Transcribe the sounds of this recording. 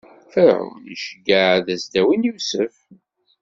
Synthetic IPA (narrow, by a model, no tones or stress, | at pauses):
θəɾə̰wnḭʃəɡəðæzd̪æwinjusəf